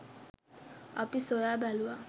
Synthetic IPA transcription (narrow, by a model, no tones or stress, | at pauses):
a̰pisojabalua